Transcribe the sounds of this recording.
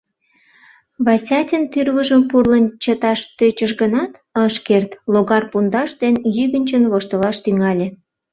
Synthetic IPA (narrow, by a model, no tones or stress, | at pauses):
βɑsʲɑtʲənt̪yrβəʒəmpurlənt͡ɕət̪ɑʃt̪øt͡ɕəʃɣənɑt̪ | əʃkert̪loɣɑrpund̪ɑʃd̪enjyɣənʲt͡ɕənβoʃt̪əlɑʃt̪yŋɑlʲe